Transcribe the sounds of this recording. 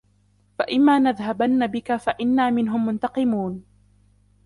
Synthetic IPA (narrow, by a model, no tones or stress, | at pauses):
faʔɪmːaːnaðɦabanːabɪkafaʔɪnːaːmɪnɦʊmːʊnt̪ɑqɨmuːn